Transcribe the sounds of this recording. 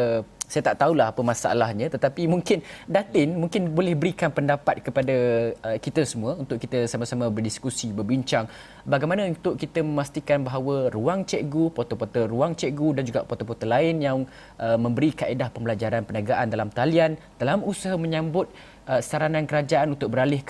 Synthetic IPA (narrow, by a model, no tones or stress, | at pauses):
sajat̪aʔt̪aulahɦapəmasaʔa̰lahɲãt̪ət̪apimuŋkɪndat̪ɪnmuŋkɪnbolɛhbəɾikanpəndapat̪̚kəpadaəkit̪əsəmũəunt̪ʊʔkit̪əsamasamãbərdiskusibərbiɲt͡ʃaŋ | baɡajmanãunt̪ʊʔkit̪əməmast̪ikanbaɦawəruaŋt͡ʃɛʔɡupot̪opot̪əɾuaŋt͡ʃɛʔɡudand͡ʒuɡa̰ʔpot̪opot̪əlaɪnjaŋ | ʔəmə̃mbəɾikaʔedahpəmbəlad͡ʒaɾanpənaɡaʔandalamt̪alian | d̥alamusaɦamə̃ɲãmbʊt̪̚ | ʔəsaɾanãnkəɾad͡ʒaʔanunt̪ʊk̚bəɾalɪh